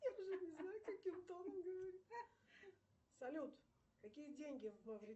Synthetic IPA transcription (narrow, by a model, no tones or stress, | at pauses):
jaʊʐɛnʲɪznajʊkɐkʲimt̪onəmɡəvɐɾʲi | sɐlʲut̪ | kɐkʲijədʲenʲɡʲɪvmɨvɾʲɪ